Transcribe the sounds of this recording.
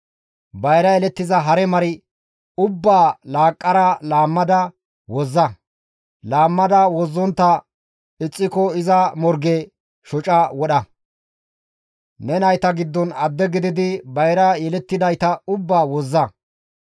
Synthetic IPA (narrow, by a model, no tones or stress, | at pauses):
bɐjɾɐjɛlɛt̪ːɪzɐɦɐɾɛmɐɾɪ | ʊbːaːlaːkʼːɐɾɐlaːmːɐd̪ɐ | wɔzːɐ | laːmːɐd̪ɐwɔzːɔnt̪ːɐ | ɪt͡sʼːɪkɔɪzɐmɔɾɡɛ | ʃɔt͡ʃʼɐwɔɗɐ | nɛnɐjt̪ɐɡɪd̪ːɔnɐd̪ːɛɡɪd̪ɪd̪ɪbɐjɾɐjɛlɛt̪ːɪd̪ɐjt̪ɐʊbːaːwɔzːɐ